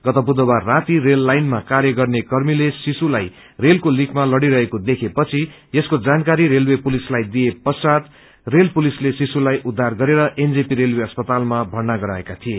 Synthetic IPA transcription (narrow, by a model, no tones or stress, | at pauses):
ɡ̥ʌt̪ʌbud̪ʌbarːat̪iɾelːajnmakaɾjʌɡʌrnekʌrmilesisulaj | relkolikʰmalʌɽiɾʌɦekod̪ekʰepʌt͡sʰi | eskod͡zankaɾiɾelwepulislajd̪ijepʌsat̪ | relpulislesisulajʔud̪ʱːarɡʌɾeɾʌʔend͡zipiɾelweʌspʌt̪almabʱʌɽnaɡʌɾaekat̪ʰije